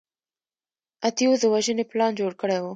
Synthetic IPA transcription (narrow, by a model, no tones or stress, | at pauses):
at̪ijozd̪əwaʒəneplɑnd͡ʒoɽkəɽewu